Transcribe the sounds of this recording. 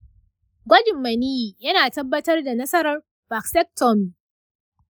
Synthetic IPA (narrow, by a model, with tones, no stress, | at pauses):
ɡʷɐ˦d͡ʒɪ˨mːɐ˨niː˦˨jɐ˦naː˨tɐ˦bːɐ˦tɐ˦rda˨nɐ˦sɐ˦ɾɐ˦r | ba˨ksɛ˦k̚tɔ˦m˨